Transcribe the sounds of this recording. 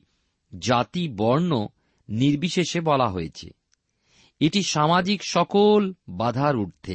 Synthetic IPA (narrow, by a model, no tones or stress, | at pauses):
d͡ʑat̪ibɔɾno | niɾbiʃeʃebɔlaɦojet͡ɕʰḛ | eʈiʃamad͡ʑikʃɔkolbad̪ʱaɾuʈ̚t̪ʰḛ